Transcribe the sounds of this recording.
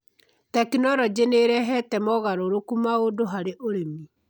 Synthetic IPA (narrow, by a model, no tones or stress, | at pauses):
takinɔɾɔd͡ʑeneɾɛɦɛtɛmɔɣaɾoɾokumaodoɦaɾeʔoɾemi